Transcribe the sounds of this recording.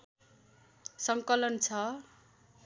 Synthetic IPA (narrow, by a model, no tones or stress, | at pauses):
sʌŋkʌlʌnt͡sʰʌ